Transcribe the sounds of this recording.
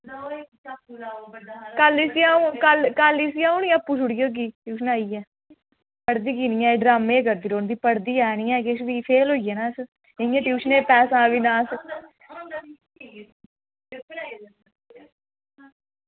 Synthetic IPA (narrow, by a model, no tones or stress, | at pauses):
kəlisijãːũkəlkəlisijãːuniːãːpːuːʃʊɽɪjoːk̬iːʈjuːʃənaːiːɛː | pəɽd̪iːkiːnĩːãːɖɾaːmeːkəɾd̪iːɾoːnd̪iːpəɽd̪iːɛːnĩːɛ̃ːkeʃʋiːpʰeːlɦoːijeːnãːs | ɪ̃ãːʈjuːʃəneːpɛːsãːʋiːnãːs